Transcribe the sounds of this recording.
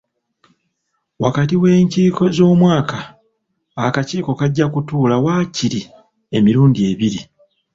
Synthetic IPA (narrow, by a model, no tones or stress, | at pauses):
wakatiwe̞ːɲciːko̞zo̞ːmwaːkʰaː | kaciːko̞kaɟːakutuːlawaːciɾi | e̞miɾuːndie̞βiɾi